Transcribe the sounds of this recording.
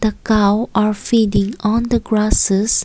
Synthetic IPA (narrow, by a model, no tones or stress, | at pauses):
d̥əkawaɹfidɪ̃ŋɔ̃nd̪əɡɹasəs